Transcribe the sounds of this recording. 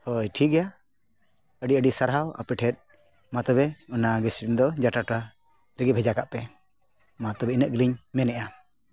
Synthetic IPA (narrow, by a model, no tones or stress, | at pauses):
hɔjʈʰik̚ɡɛja | əɖiəɖisaɾɦawa̰pɛʈʰɛt̪̚ | mat̪ɔbɛunaɡɛsɾind̪ɔd͡ʒaʈaʈa | ɾəɡɛbʱɛd͡ʒakaʔpɛ | mat̪ɔbɛinəʔɡiliɲmɛnɛʔa